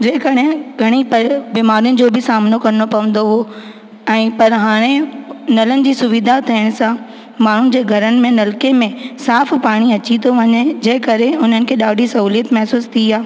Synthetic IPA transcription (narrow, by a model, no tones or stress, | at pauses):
d͡ʑeɦɪ̃kɐɽeɡʱɐɽ̃ipɐbiːmaːɾijʊnɪ̆d͡ʑoːbʱɪsaːmnokɐɾnopɐʋə̃n̆d̪oɦo | ɛ̃ːpɐɾɦaːɽ̃enɐlənɪ̆d͡ʑiːsʊʋid̪ʱat̪ʰiəɽ̃sã | maːɳ̤ʊnɪ̆d͡ʑeːɡʱɐɾənɪ̆mẽnɐlkemẽsaːfpaːɽ̃iɐt͡ɕĩt̪oʋɐɲed͡ʑɐ̃ɦɪ̃kɐɾeʊn̤ənɪ̆kʰeːɗaːɖʱisɐɦuːlijət̪mɛɦsuːst̪ʰiaː